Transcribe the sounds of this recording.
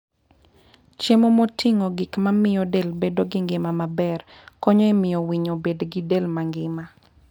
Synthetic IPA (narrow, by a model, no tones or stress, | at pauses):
t͡ʃemomotʰiŋoɡɪkmamɪjɔdelbedoɡɪŋɡɪmamabɛr | kɔɲɔemɪjɔwiɲobedɡɪdelmaŋɡɪma